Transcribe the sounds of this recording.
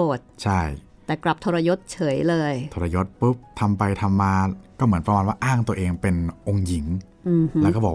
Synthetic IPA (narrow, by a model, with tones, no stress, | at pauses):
oː˨˩t̪̚t͡ɕʰa˥˩j | t̪ɛː˨˩kla˨˩p̚t̪ʰoː˧ɾa˧jo˦˥t̪̚t͡ɕʰɤː˩˦jlɤː˧jt̪ʰoː˧ɾa˧jo˦˥t̪̚pɯ˦˥p̚t̪ʰa˧mpa˧jt̪ʰa˧mːaː˧kɔː˥˩mɯ˩˦ənpɾa˧maː˧nwaː˥˩ʔaː˥˩ŋt̪u˧ɐʔeː˧ŋpe˧nʔo˧ŋji˨˩˦ŋ˨˩ | lɛː˦˥˩kɔː˥˩bɔː˨˩